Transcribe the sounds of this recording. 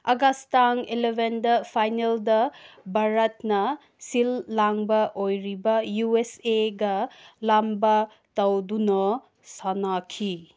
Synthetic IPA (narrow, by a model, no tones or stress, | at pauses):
ɐɡastaŋelebʱendɐpʰajneldɐbʱaɾɐtnɐ | silːaŋbɐʔojɾibɐjueseɡɐlambɐ | tɐwdunɔ | sanakʰi